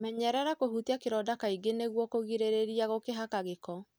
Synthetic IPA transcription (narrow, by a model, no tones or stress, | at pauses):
mɛɲɛɾɛɾakohutiakeɾɔːdakaiɡeneɣwɔkoɣiɾeɾeɾiaɣokeɦakaɣekɔ